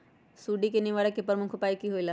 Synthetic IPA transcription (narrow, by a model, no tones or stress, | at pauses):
suɖikeniʋaːɽekepəɾmʊkʰopaːikiɦoila